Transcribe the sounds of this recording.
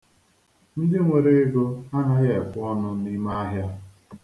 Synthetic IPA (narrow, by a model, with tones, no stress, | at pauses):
mi˦di˦ŋʷe˨ɾe˦e˦ɡo˦a˦na˦ɣe˨pʊ˦ɔ˦nʊ˦ni˦ma˦a˦ɦja˦